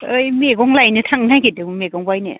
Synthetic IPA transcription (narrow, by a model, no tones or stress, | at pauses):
ɯjmeɡɔŋlajnɯtʰaŋnajkʰidɯmmeɡɔŋbajnḛ